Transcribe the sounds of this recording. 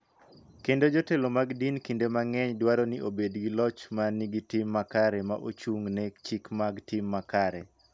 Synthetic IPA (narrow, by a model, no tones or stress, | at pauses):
kendod͡ʒotelomaɡdinkindemaŋɛɲdwaɾonɪʔobedɡilɔt͡ʃmaniɡitɪmːakaɾɛma̰ʔot͡ʃuŋnɛkt͡ʃikmaɡtɪmːakaɾɛ̰